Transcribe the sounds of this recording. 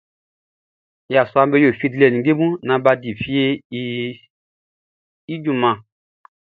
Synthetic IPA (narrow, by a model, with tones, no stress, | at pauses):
ja˨su˦a˦mbe˦jo˨fi˦dlɛ˨ni˨˦ɡe˦mũ˦nã˨ba˧di˨fi˦e˦ | i˦d͡ʒũ˦˨mã˨